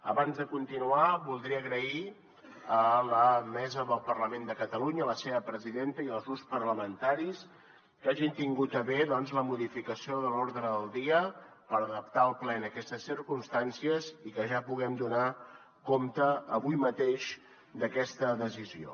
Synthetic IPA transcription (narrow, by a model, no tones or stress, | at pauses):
ə̰βanzðəkunt̪inuaβulˠd̪ɾiəːɣɾəi | ələmɛzəðəlˠpərləmend̪əkət̪əluɲələseβəpɾəziðent̪əiəlˠzɣuspərləmənt̪aɾis | kaʒint̪iŋɡut̪əβeðɔnzləmuðifikəsioðəloɾðɾəðəlˠd̪iə | pəɾəðəp̚t̪aəlˠplɛnəkɛst̪əsːiɾkumst̪ansiəzikəʒapuɣɛmd̪una | komt̪əːβujmət̪eʃ | d̪əkɛst̪əðəzizio̰